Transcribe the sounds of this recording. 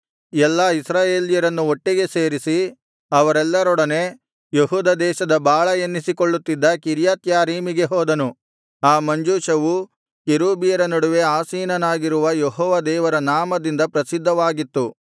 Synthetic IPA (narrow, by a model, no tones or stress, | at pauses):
ɛlːɐisɾaːje̞ːlijɐɾɐnːuoʈːiɡe̞se̞ːɾisi | ɐʋɐɾɛlːɐɾɔɽɐne̞ | jeɦuːd̪ɐd̪ɛːʃɐd̪ɐbaːɭɐenːisikoɭːut̪ːid̪ːɐkiɾjaːt̪jaːɾiːmiɡe̞ɦɔːd̪ɐnu | aːmɐɲd͡ʒuːʃɐʋu | keɾuːbijɐɾɐnɐɽuʋe̞aːsiːnɐnaːɡiɾuʋɐjeɦɔːʋɐd̪ɛːʋɐɾɐnaːmɐd̪ind̪ɐpɾɐsid̪ʱːɐʋaːɡit̪ːu